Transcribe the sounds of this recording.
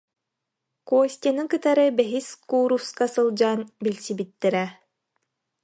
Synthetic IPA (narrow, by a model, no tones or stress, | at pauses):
kuɔsʲt̪ʲanɯŋkɯt̪aɾɯbɛɦiskuːɾufskasɯlˠd͡ʑaːnbilʲsibit̪ːɛɾɛ